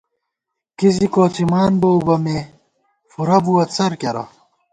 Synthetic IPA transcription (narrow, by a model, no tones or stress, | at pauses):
kizikoːt͡sʰimaːnbɐubɐme | fuɾɐbuɐt͡sʰɐɾkɐɾɐ̰